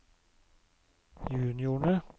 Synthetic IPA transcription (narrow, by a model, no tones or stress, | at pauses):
jʉːnɪʊɳə